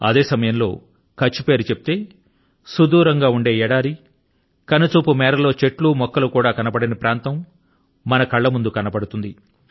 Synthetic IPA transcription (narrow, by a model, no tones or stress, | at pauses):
ɐ̰d̪e̞ːsɐmɐjɐmlo̞̰ː | kɐt͡ʃːupe̞ːɾut͡ʃe̞pi̥t̪e̞ː | sud̪uːɾɐŋɡaːuɳɖe̞ːɛɽaːɾi | kɐnɐt͡ʃuːpumɛːɾɐlo̞ːt͡ʃe̞ʈlumɔkːɐlukuːɽaːkɐnɐpɐɽɐnɐpɾʔaːnt̪ɐmː | ɐnɐkɐɭːɐmund̪ukɐnɐpɐɽut̪und̪i